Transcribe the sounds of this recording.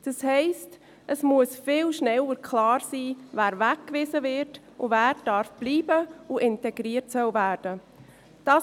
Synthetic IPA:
d̥ɑshɛɪst | ʔəsmuəsfɪlʃnɛləɾkʰlɑːɾsiːvæːɾvækːvɪzəvɪɾt | ʔʊvæːɾd̥ɑɾfb̥liːbəuʔɪntɛɡɾiːrtsœlvæːɾd̥ə | d̥ɑ

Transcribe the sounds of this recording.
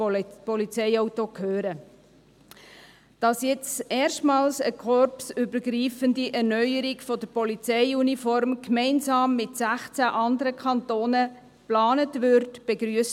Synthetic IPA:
pɔlit͡sɛɪɔwtokʰhøːɾə | d̥ɑsjɛt͡stɛːɾʃtmɑːlsəkʰɔɾpsʏbəɡɾiːfəndiʔɛɾnœʏəɾiɡfɔdəɾpɔlit͡sɛɪunifɔɾmkmɛɪnsɑːmːɪtsæχt͡sæʔɑndəɾəkʰɑntoːnə | plɑːnətʋʏɾtb̥eɡɾyəst

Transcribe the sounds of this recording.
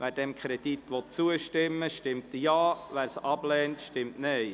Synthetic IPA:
ʋæːɾd̥ɛmkʰɾɛd̥̪it̪ʋɔt̚t͡suəʃtɪmːəʃtɪmt̪əjɑːʋæːɾsɑblɛːntʃtɪmtnɛɪ

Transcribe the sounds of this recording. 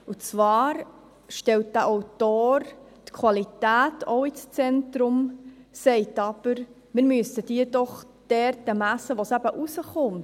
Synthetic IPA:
ut͡svɑːɾ | ʃtɛlt̚d̥̪æʔɔʊtoːɾtkʰvɑlitæːtʰɔʊist͡sɛntɾʊmsɛɪtɑb̥əɾ | mɪɾmyəsəd̥iːd̥ɔχ | d̥ɛɾtəmæsəʋosæb̥əʔusəχʊm

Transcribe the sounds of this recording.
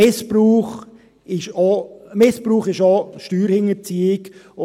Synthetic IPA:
ɪspɾuːχ | ɪʃɔmɪspɾuːχɪʃɔʃtyːɾhɪŋəɾt͡siːɪk | ʊ

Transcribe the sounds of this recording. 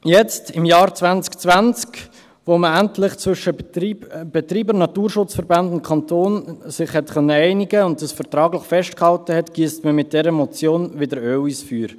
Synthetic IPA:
jɛt͡stɪmjɑːɾt͡svant͡skt͡svant͡sk | ʋoməæntlɪχt͡svʏʃə | b̥ɛt̪ɾiːbəɾnɑtuːɾʃʊt͡sfəɾbandʊnt̚kʰɑntoːnsɪχhɛtχœnːəɛɪnɪɡəʊntdɑsfəɾtɾɑːɡlɪχfɛʃtkhɑltəhɛtɡ̥iːstməmɪt̚d̥ɛɾəmɔt͡sjoːnvɪdəɾøːwiːsfyːɾ

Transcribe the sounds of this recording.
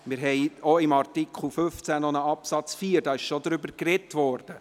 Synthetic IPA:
mɪɾɦɛɪɔɪmɑrtikʰχl̩fʏft͡sænɔnəɑpsɑt͡sfiːəɾdɑːɪʃʃɔd̪ɾʏbəɾkrɛtʋɔrd̥ə

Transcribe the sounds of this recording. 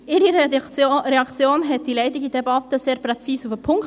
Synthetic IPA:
ʔɪɾi | ɾɛɑkt͡sjoːnɦɛt̪̚d̥̪ileɪtɪɡid̪ɛbɑt̪əseːɾprɛt͡siːsufəpʰʊŋk

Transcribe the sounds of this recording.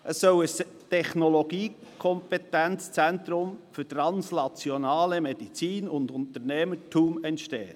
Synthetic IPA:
ʔəsːœwəs | tʰɛχnoloɡ̥iːkʰɔmpetɛnt͡st͡sɛnt̪ɾʊmfʏtɾɑnsnɑt͡sjonɑːləmed̥it͡siːnʊndʊnt̪əɾnɛmətʰuːmɛntʃtḛːə

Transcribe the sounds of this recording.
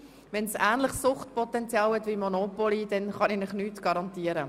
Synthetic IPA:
vɛnsæːnlɪχsʊχtpɔt̪ɛnt͡sjɑːwhɛt̪vimɔnopɔlid̥ɛnχɑninɪχnyːtɡ̥ɑɾɑnt̪iəɾə

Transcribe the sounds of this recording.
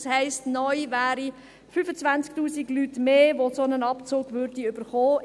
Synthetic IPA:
shɛɪstnɔʏvæːɾi | fyfət͡sʋant͡sktuːsiɡlytmeːʋosonənɑpt͡soːɡʋøɾdiʏb̥əɾχoː

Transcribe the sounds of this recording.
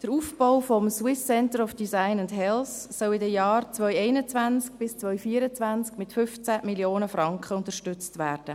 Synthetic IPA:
d̥əɾuːfb̥ɔʊfɔmswɪsːɛntəɾɔfd̥isaɪnʊndɦɛlsːœwɪdəjɑːrt͡svœjɛɪnət͡svansk̚b̥ɪst͡svœʏfiːəɾət͡svænt͡skmɪtfʏft͡sæmiljoːnəfrɑŋkχəʊntəʃtʏt͡stvæːrd̥ə

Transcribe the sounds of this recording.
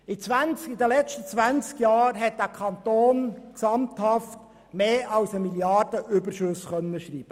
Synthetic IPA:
it͡sʋænt͡skidəlɛt͡ʃtət͡sʋænt͡skjɑːɾɦɛt̚d̥̪æːkʰɑnt̪oːnksɑmt̪hɑft | meːʔɑwsəmiljɑrd̥əʔʏbərʃɵsχœnːəʃriːb̥ə

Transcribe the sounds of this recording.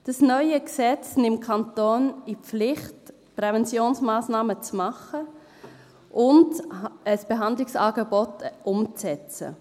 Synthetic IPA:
d̥ɑsnœʏəksɛt͡snɪmkʰɑntoːnipflɪχt | pɾɛvɛnt͡sjoːnsmaːsnaːmət͡smɑχə | ʔʊndəsb̥eɦɑndlɪksɑːɡɛbɔtʔʊmt͡sɛt͡sə̰

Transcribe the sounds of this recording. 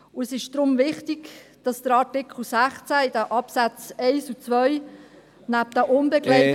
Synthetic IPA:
ʊəsɪʃd̥ɾʊmvɪχtiɡd̥ɑsd̥̪əɾɑtɪkʰl̩ˠsæχt͡sæɪdæʔɑpsæt͡seɪsut͡svœʏ | næp̚d̥̪əʔʊnbɛklɛɪ

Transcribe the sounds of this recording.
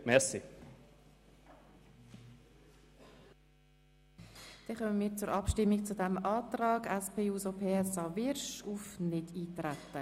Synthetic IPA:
mɛʁsi | d̥ɛχœməmiːɾt͡sʊɾʔɑpʃtɪmːik̚t͡sudɛmɑːt̪rɑːɡɛspʰeːuːsopʰeːɛsɑvɪɾʃufnɪdiːtɾæt̪ːə

